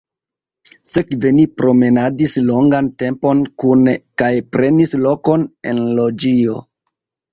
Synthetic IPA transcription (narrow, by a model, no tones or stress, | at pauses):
se̞kvenipɾo̞me̞nadislo̞ŋɡante̞mpo̞nkunkajpɾe̞nislo̞ko̞ne̞̰nlo̞d͡ʒio̞